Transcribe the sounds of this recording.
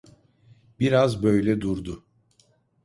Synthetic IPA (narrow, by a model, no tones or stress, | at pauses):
biɾazbø̞jlʲɛd̪uɾd̪ʊ